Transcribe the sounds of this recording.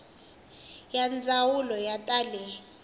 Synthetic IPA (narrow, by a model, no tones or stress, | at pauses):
jand͡zʱawulɔjatʼalɛ